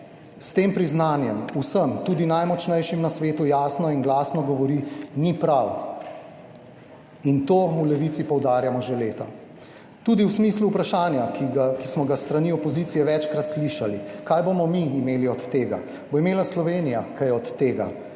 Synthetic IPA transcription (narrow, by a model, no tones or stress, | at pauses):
st̪eːmpɾiznaːnjɛmusəmt̪uːd̪inajmɔt͡ʃnɛjʃimnasʋeːt̪ujaːsnɔinɡlaːsnɔɡɔʋɔɾinipɾaw | int̪oːmulɛʋit̪sipɔwd̪aːɾjamɔʒeleːt̪a | t̪uːd̪iwsmisluːpɾaʃaːnjakismɔɡast̪ɾaniɔpɔziːt̪sijɛʋɛt͡ʃkɾat̪sliʃalikajbomɔmiːmeːliɔt̪ːeːɡa̰ | boimeːlaslɔʋeːnijakajɛɔt̪ːeːɡa̰